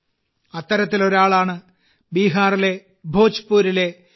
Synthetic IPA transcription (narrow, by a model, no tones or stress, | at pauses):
ɐt̪ːɐɾɐt̪ːilo̞ɾaːɭaːɳɨ | biːɦaːrile̞ | bʱo̞ːt͡ɕpːuːɾile̞